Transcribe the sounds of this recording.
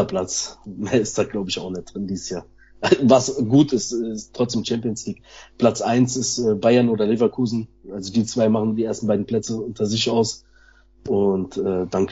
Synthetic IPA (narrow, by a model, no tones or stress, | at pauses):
ɐpʰlat͡smeːɐɪstd̥aːɡ̥laʊbəɪçaʊxnɛt̚d̥ʁɪndiːsjaːɐ | ʔavasɡuːtɪstɛɪstʁ̥ɔt͡sd̥eːmt͡ʃɛmpiənsliːk̚pʰl̥at͡sʔaɪnsɪstɛːbaɪɐnoːdɐlevɐkʰuːzn̩ | ʔalzodiːt͡sv̥aɪmaχn̩diːeːɐstn̩baɪdn̩pl̥ɛt͡səʊntʰɐzɪçaʊs | ʔʊntʔɛːd̥an